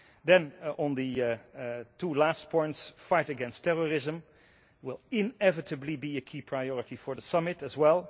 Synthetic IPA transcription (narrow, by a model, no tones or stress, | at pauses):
dɛ̃nə̃nðɨ | tʰulæst̚pʰɔ̃ɪ̃ntsfajtɨɡɛ̃nstʰɛɹəɹɪzə̃m | wɪlˠɪ̃nɛvɨtʰəblibiɨkʰiːpʰɹaɪjɔɹɨtifɔ˞ðəsʌmɪtɨzwɛlˠ